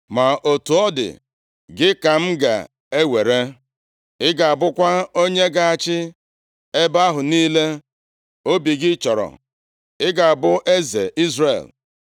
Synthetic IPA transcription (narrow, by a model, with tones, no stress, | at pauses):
ma˨ʔo˨tu˨ɔ˦dɪ̰˨ | ɡɪ˦ka˨m̩˦ɡa̰˨ | e˦we˨ɾe˦ | ɪ˦ɡa˨a˨bʊ˦kʷa˦o˦ɲe˦ɡa˨a˨t͡ʃɪ˦ | e˦ba˦ɦʊ˨niː˦le˦ | o˦bi˨ɡɪ˦t͡ʃɔ˨ɾɔ̰˨ | ɪ˦ɡa˨a˨bʊ˦ʔe˦ze˨ʔi˦zrḛ˨l